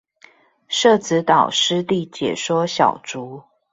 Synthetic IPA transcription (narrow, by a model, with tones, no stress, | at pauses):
ʂɤ˥˨t͡sɹ̩˧˦t̪ɑ˨˩ʊʂɻ̩˥t̪i˥˨t͡ɕjɛ̰˨˩ʂwɔ˥ɕjɑ̰˨˩ʊt͡su˨˦